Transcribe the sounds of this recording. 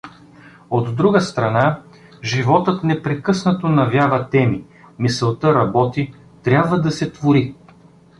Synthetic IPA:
od̪ːɾuɡəst̪ɾɐna | ʒivɔt̪ət̪nɛpɾɛkɤsnɐt̪onɐvʲjavɐt̪ɛmi | misəlˠt̪ɤɾɐbɔt̪i | t̪ɾʲabvəd̪ɐsɛt̪voɾi

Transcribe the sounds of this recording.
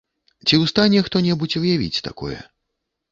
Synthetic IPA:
t͡sʲiwst̪anʲɛxt̪ɔnʲɛbut͡sʲvɨjavʲḭt͡sʲt̪a̰kɔ̰jɛ̰

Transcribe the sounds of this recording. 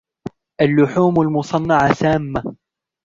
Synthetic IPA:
ʔalːʊħuːmalmʊsˤɑnːɑʕasaːmːa

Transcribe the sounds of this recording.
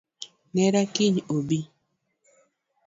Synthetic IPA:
nɛɾakiɲobi

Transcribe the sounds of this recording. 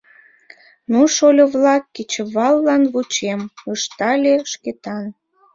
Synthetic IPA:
nuʃolʲoβlɑkːet͡ɕə̆βɑlːɑnβut͡ɕeməʃt̪ɑlʲeʃket̪ɑn

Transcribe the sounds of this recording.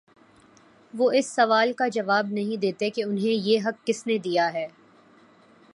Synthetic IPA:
ʋoɪsːɐʋaːlkad͡ʒɐʋaːb̚nɐɦĩd̪eːt̪ekeʊnɦẽjeːɦɐkːɪsned̪ijaɦɛː

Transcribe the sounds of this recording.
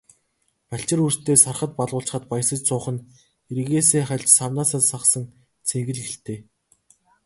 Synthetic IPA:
paɬt͡ɕɪ̆rur̥t̪eːsarχə̆t̪̚paɮʁʊːɬt͡ɕ̆χə̆t̪paj̆sə̆t͡ɕt͡sʰʊːχə̆n | iɾiɣeːseːχæɮt͡ɕsawnaːsaːsaqsə̆ŋ | t͡sʰeŋɡɘ̆ɮxĕɬt̪eː

